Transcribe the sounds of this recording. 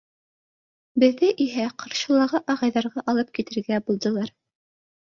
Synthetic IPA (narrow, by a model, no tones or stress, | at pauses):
bɘ̆ðːɘʔiɦæqʰɑ̆ɾʃɤ̆lˠɑʁɑʔɑʁɑjðɑɾʁɑʔɑlˠɤp̚kit̪ɘ̆ɾɡæbulˠd̪ɤ̆lˠɑɾ